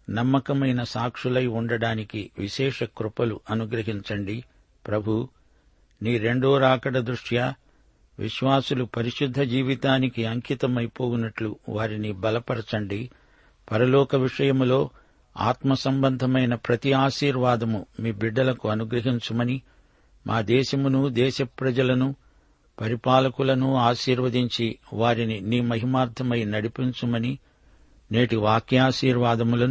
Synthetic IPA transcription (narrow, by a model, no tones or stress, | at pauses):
nɐmːɐkɐmɐjnɐsaːkʂulɐjuɳɖɐɽaːnikiʋiʃɛːʂɐkɾupɐluʔɐnuɡɾɐɦiɲt͡ʃɐɳɖi | pɾɐbʱu | niːɾe̞ɳɖoːɾaːkɐɽɐd̪ɾuʂjaː | ʋḭʃʋaːsulupɐɾiʂud̪ʱːɐd͡ʒiːʋit̪aːnikiɐŋkʰit̪ɐmɐjpoːwunɐʈluʋaːɾinibɐlɐpɐɽɐt͡ʃɐɳɖi | pɐɾɐlɔːkɐʋiʂɐjɐmlo̞ː | a̰ːt̪mɐsɐmbɐnd̪ʱɐmɐjnɐpɾɐt̪iaːʃiːɾʋaːd̪ɐmumiːbiɖːɐlɐkuɐnuɡɾɐɦiɲt͡ʃumɐni | mʔaːd̪ɛːʃɐmunud̪ɛːʃɐpɾɐd͡ʒɐlɐnu | pɐɾipaːlɐkulɐnuaːʃiːɾʋɐd̪iɲt͡ʃiʋaːɾininiːmɐɦimaːɾd̪ʱɐmɐjnɐɽipiɲt͡ʃumɐni | ne̞ːʈiʋaːkjaːʃiːɾʋaːd̪ɐmulɐn